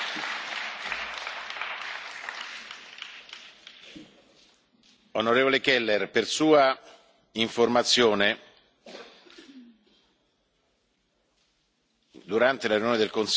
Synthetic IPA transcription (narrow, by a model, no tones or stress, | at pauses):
onoɾeːvolekɛlːerpersuːa | iɱformat̪sːjoːne | d̪uɾant̪elaɾjunjoːned̪elkons